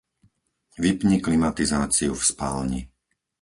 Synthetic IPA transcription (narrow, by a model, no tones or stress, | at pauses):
ʋipɲiklimat̪izaːt͡siufspaːlɲḭ